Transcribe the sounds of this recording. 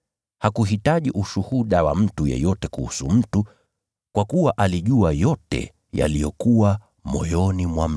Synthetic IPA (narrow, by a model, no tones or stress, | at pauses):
hakuɦitaʄiʔuʃuhuɗawa̰m̩tujɛ̰jɔtɛkuhṵsum̩tu | kwakuwaʔaliʄuajɔtɛ̰ | ja̰lijɔkuwa | mɔ̰jɔnimwam̩